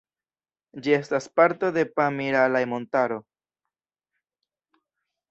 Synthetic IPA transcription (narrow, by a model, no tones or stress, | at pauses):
d͡ʒie̞staspaɾto̞d̪e̞pamiɾalajmo̞ntaɾo̞